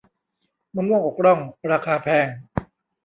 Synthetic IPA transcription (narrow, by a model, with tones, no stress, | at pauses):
maː˧˦mu˥˩əko˨˩k̚ɾɔ˥˩ŋɾaː˧kʰaː˧pʰɛː˧˩ŋ